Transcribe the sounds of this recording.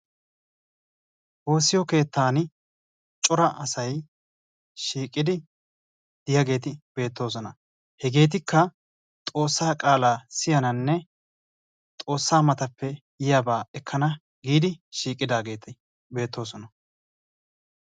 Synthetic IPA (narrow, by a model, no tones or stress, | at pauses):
ʔo̞ːsːɪjɔke̞ːt̪ːaːn | t͡ʃʼɔɾɐʔɐsɐj | ʃiːkʼɪd̪ɪ | d̪̥ɪjɐɡe̞ːt̪ɪbe̞ːt̪ːo̞ːs̬ɔnɐ | hɛɡe̞ːt̪̬ɪkʰːɐ | t̪ʼo̞ːsːaːkʼaːlasɪjɐnɐnːɛ | t̪ʼo̞ːsːaːmɐt̪ɐpːɛ | jɪjaːbaːɛkʰːɐnɐ | ɡiːd̪ɪʃiːkʼːɪd̪aːɡeːt̪ɪ | be̞ːt̪ːo̞ːsɔnɐ